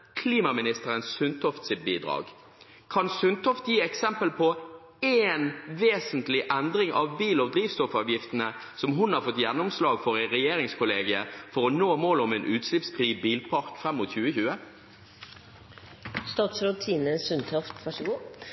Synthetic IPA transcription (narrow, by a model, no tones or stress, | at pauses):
kʰliːmɑmɪnɪst̪əɾənssʉnt̪ʰɔft̪sɪt̪̚biːd̪ʁɑ̰ːɡ | kʰɑnsʉnt̪ʰɔft̪jiːɛksɛmpəlpʰɔ | eːnʋeːsənt̪lɪʔɛnd̪ʁɪŋʔɑ̰ʋbiːlɔd̪ɾiːʋst̪ɔfɑʋjɪft̪ənə | sɔmɦʊnhɑʁfɔt̪jɛnːɔmslɑːɡfɔʁæɪʁɛjeːʁɪŋskʰʊleːɡəəfɔʁɔnoːmoːlɔmɛnʔʉːt̪slɪpsfʁiːbiːlpʰɑʁkfʁɛmːʊt̪çʉːəçʉːə | st̪ɑːt̪sɾʊt̪ʰiːnəsʉnt̪ʰɔft̪ʋœʂ